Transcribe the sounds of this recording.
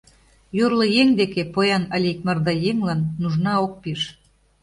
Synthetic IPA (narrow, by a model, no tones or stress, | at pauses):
jorlɤ̆jeŋd̪ekepojɑnəlʲekmɑrd̪ɑjemlɑnːuʒnɑok̚piʃ